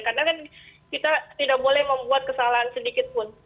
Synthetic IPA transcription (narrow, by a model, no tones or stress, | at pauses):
karnakankit̪at̪idak̚bolɛhməmbuat̪̚kəsalaɦansədikɪt̪̚pʊn